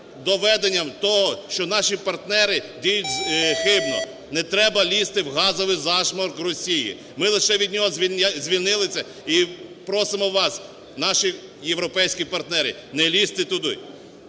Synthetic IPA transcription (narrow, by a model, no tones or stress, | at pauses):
d̪ɔʋɛd̪enʲːɐmt̪ɔɦɔʃt͡ʃɔnɑʃipɐrt̪nɛɾɪdʲijʊtʲxɪbnɔ̰ | nɛt̪ɾɛbɐlʲist̪ɪwɦɑzɔʋɪjzɑʃmɔrkrɔsʲijḭ | mɪlˠeʃɛʋʲid̪ʲnʲɔɦɔzʲʋʲzʲʋʲilʲnɪlˠɪsʲɐ | ipɾɔsɪmɔʋɑs | nɑʃi | jewɾɔpɛjsʲkʲipɐrt̪nɛɾɪ̰ | nɛlʲist̪ɪt̪ʊd̪ʊ̰